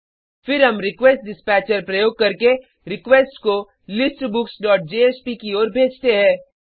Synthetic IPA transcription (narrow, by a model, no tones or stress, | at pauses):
fɪɾɦɐmɾɪkʋeːsʈ̚ɖɪspɛːt͡ʃəɾpɾɐjoːɡ̚kɐɾke | ɾɪkʋeːsʈko | lɪsʈbʊksɖɔːʈ̚d͡ʒeːeːspikioːɾbʱeːd͡ʒt̪eɦɛ̃ː